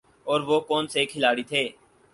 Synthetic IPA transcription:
ɔːɾʋoːkɔːnsekʰɪlaːɽit̪ʰeː

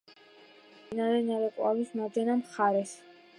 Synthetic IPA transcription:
inaɾɛnaɾɛkʼwavismad̪ɛnamχaɾɛs

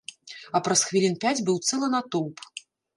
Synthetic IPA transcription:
ɐpɾɐsxvʲilʲinpʲad͡zʲbɨwt̪sɛlˠɐnat̪ɔwp

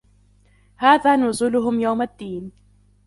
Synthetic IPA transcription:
haːðaːnʊzuːlʊɦʊmjawmad̪ːiːn

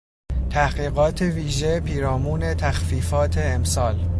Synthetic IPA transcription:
t̪ʰæhɢiːɣɒːt̪ʰeviːʒepʰiːɾɒːmuːne̞t̪ʰæxfiːfɒːt̪ʰe̞ːmsɒːl

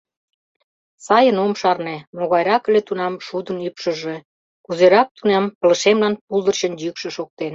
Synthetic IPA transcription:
sɑjənomʃɑrnemoɣɑjɾɑkə̆let̪unɑmʃud̪ə̆nypʃə̆ʒe̽ | kuzeɾɑk̚t̪unɑmpə̆lə̆ʃemlɑnpulˠd̪ə̆rt͡ɕə̆njykʃĕʃok̚t̪en

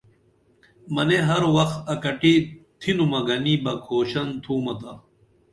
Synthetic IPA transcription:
mɐneɦɐɾwɐxt̪ɐkɐʈit̪ʰinumɐɡɐniːbɐkʰoːɕɐnt̪ʰuːmɐt̪a

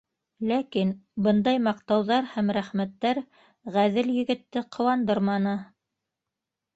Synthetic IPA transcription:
lækinbɤnd̪ɑjmɑq̚t̪ɑwðɑɾhæmɾæχmæt̪ːæɾ | ʁæðɘljɘ̆ɡɘ̆t̪ːɘqʰɤ̆wɑnd̪ɤɾmɑnɤ

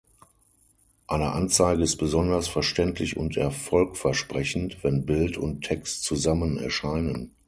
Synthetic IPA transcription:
ʔaɪnəʔant͡saɪɡəɪst̚b̥əzɔndɐsfɛɐʃtɛntʰlɪçʊ̰ntʰɛɐfɔlkfɛɐʃpʁ̥ɛçn̩tv̥ɛnbɪltʊntʰɛkstt͡suzamənɛ̰ɐʃaɪnən

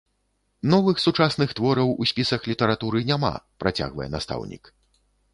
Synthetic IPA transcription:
nɔvɨxsut͡ʂasnɨxt̪vɔɾɐwusʲpʲisɐxlʲit̪ɛɾat̪uɾɨnʲama̰pɾat͡sʲa̰ɣvɐ̰jɛ̰nast̪a̰wnʲḭk

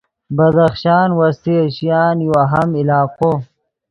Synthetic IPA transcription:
bɐd̪ɐxʃaːnwɐst̪iɐɕijaːnjoɐɦɐmilaːqo

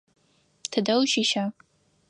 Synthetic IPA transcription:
tʰɨdɐlʃiʃa

